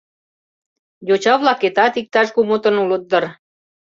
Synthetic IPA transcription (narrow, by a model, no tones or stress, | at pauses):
jot͡ɕɑβlɑket̪ɑt̪ik̚t̪ɑʃkumot̪ə̆nulət̪̚d̪ər